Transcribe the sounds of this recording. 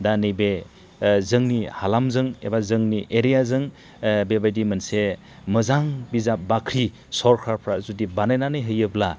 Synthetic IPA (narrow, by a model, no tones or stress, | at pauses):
danɯjbe | zɯŋnihalamzɯŋḛbazɯŋniʔeɾijazɯŋ | bebajdimɯnse | mɯzaŋbizap̚bakʰɾi | sɔɾkʰaɾpʰɾazudibanajnanɯjɦɯjɯbla